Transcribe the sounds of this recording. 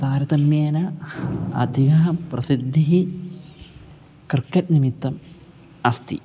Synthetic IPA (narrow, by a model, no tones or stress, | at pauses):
d̪̥aːɾɐd̪ɐmjeːnɐ | ɐ̰d̪ʱiɡɐɦɐmprɐsid̪ʱːiɦi | krkːɐtnimit̪ːɐm | ɐst̪ḭ